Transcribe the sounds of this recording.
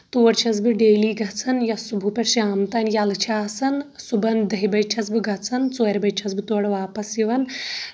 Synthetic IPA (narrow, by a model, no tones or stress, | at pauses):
t̪uːɾt͡ʃʰɐs̬biɖeːliːɡɐt͡sʰɐnjɐsubʱupʲɐɾʃiaːmt̪ɐnjalt͡ʃʰaːsɐn | subɐnd̪ɐɦibɐjt͡ʃʰɐsbiɡʱɐt͡sʰɐnt͡soːɾʲbɐjt͡ʃʰɐsbit̪oːɽʋaːpɐsjiʋɐn